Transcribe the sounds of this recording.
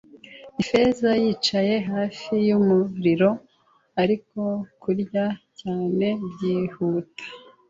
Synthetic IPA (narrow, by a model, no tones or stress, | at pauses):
ife̞zajiːt͡ʃaje̞ɦaːfijumuɾiɾo̞ | aɾiko̞kuɾɟacaːne̞bjiːhuːtḁ